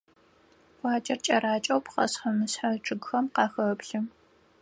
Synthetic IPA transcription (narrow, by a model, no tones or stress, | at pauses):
wʷɑːt͡ʃʼɐrt͡ʃʼɐraːt͡ʃʼɐwpqɐ̰sħɐmɨsħaʈ͡ʂʰʼɨɡxɐmqɑːxɐpɬɨm